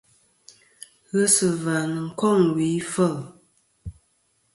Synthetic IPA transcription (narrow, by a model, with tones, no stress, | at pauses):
ɣə˦sə˨va˨nə˨ŋ̩˨kɔ˦˨ŋwi˨˦fə˦˨l